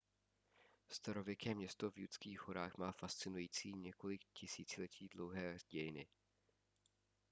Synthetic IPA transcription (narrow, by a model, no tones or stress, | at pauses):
st̪aɾo̞vjɛkɛːmɲɛst̪ovjut͡skiːxɦoɾaːxmaːfast͡sɪnujiːt͡siːɲɛko̞lɪkcɪsiːt͡sɪlɛcʰiːdlowɦɛːzɟɛjɪnɪ